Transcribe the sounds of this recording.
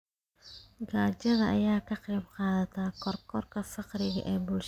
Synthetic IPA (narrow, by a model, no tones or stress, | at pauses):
ɡaːt͡ʃɐðɐʔɐ̰jaːkʰɐqiːmqɑːðɐt̪ʰaːkʰɔrkʰɔrkʰɐfɑqrɪɣɐ̰ʔɛːbuːlʃ